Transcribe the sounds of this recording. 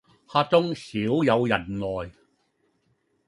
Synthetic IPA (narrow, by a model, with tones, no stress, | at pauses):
haː˧t͡sʊ˥ŋsiː˨˥wjɐ˨˧wjɐ˨˩nlɔː˨˩j